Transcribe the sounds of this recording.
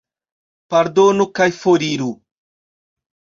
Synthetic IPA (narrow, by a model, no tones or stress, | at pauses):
paɾd̪onukajfoɾiɾu